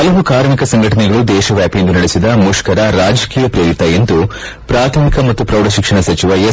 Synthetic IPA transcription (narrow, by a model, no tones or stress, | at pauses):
ɐlɐɦukaːɾmikɐsɐŋɡʱɐʈɐnɛɡɐɭud̪ɛːʃɐʋjaːpijend̪unɐɽesid̪ɐmuʃkɐɾɐɾaːd͡ʒɐkiːjɐpɾijɐɾit̪ɐjend̪u | pɾaːt̪ʰɐmikɐmɐt̪ːupɾɐwɖɐʃikʂɐɳɐsɐt͡ʃiʋɐje